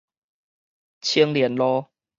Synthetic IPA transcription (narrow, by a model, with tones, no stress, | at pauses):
t͡ɕʰi˦ŋljɛ˨˦nlɔ˦